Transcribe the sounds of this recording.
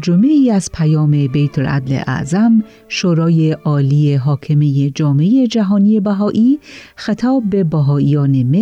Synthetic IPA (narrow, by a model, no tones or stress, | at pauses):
d͡ʒomeiːæz̥pʰæjɒːme̞bejt̪ʰolʔæ̰d̪lḛʔæ̰ʔzæm | ʃoːɾɒːje̞ʔɒːliːeɦɒːkʰe̞mejed͡ʒɒːmeeje̞d͡ʒæɦɒːnije̞bæɦɒːʔiːxet̪ʰɒːbːe̞bæɦɒːiːjɒːne̞me